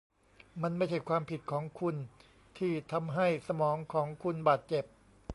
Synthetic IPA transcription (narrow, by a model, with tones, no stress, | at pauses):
ma˧˥nma˥˩jt͡ɕʰa˨˩kʰwaː˧mpʰi˨˩t̪̚kʰɔː˩˦ŋkʰu˧n | t̪ʰiː˥˩t̪ʰa˧mɦa˥˩jsa˧mɔː˩˦ŋkʰɔː˩˦ŋkʰu˧nbaː˨˩t̪̚t͡ɕe˨˩p̚